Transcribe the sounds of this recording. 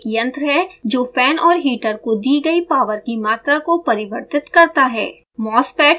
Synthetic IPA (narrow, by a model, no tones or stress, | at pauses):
kiə̃nt̪ɾɦɛd͡ʒoːfɛːnɔːɾɦiːʈəɾkod̪iːɡɐipaːʋəɾkimaːt̪ɾakopɐɾɪʋəɾt̪ɪt̪kɐɾt̪aɦɛ̰ː | mɔːspɛːʈ